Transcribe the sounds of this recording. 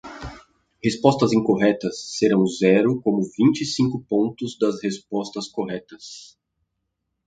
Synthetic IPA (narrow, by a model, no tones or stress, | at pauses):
hespɔst̪ɐzĩŋkoɦɛt̪ɐsːeɾɐ̃w̃zɛɾʊkõmʊvĩnt͡ʃɪisĩŋkʊpõnt̪ʊzd̪ɐzhespɔst̪ɐskoɦɛt̪ɐs